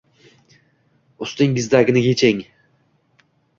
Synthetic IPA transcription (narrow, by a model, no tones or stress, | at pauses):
ʊst̪ɪŋɡʲɪzd̪aɡʲɪnɪɡʲet͡ʃʰeŋ